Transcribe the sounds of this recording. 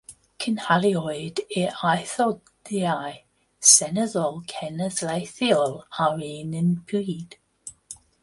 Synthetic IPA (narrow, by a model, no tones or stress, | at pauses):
kʰənhaliɔjd̪ɪʔajθɔ | d̥iaj | sɛnəzɔlˠkʰɛnəzlajθiɔlaɹeːnɪnpʰuːd̪̥